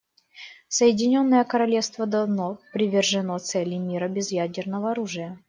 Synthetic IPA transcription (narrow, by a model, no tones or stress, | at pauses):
səjɪdʲɪnʲo̞nːəjəkəɾɐlʲefst̪vəd̪ɐvnopɾʲɪvʲɪrʐɨnot̪sɛlʲːɪmʲiɾəbʲɪzjædʲɪrnəvəɐɾuʐɨjə